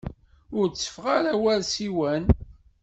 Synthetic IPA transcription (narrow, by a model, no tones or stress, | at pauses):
ʊɾt͡sːə̥fʁaɾæwælsiwæn